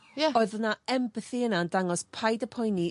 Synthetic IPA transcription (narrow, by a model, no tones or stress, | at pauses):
jɛɔɨðənaɛmbəθiənandaŋɔspʰajdəpʰɔjni